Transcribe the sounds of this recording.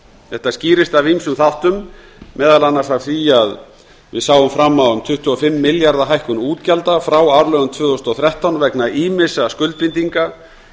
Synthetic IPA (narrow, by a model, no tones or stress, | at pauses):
θɛht̪asciːɾɪst̪avimsʏmθawht̪ʏmː | ɛːðalanːasawθiað | vɪ̰saːwʏmfɾamːawʏmt̪ʰʏht̪ːʏɔfɪmːɪljaɾðaɦajhkʏnuːt̪calt̪afɾawaɾlœɣʏmt̪ʰvʏːθʏst̪ɔθɾɛht̪awnvɛknaʔimɪsaskʏlt̪̚pɪnt̪iŋka